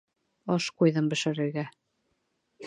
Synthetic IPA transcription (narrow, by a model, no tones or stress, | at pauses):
ɑʃqujðɤmbɘ̆ʃɘ̆ɾɘ̆ɾɡæ